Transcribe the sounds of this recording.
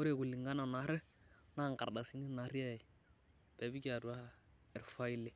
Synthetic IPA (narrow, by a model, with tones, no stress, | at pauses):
ʊ˦ɾe˨ku˨lːi˨ŋɡa˦na˨na˨˦ɾɛ˦ | na˦˨ŋka̰˨ɾda˨si˦ni˦na˨˦ɾa˦˨ɪ˨ | b̥ɛ˨bi˦ka˨du˦a˦ | ɛ˨ɾfa˦i˦le˨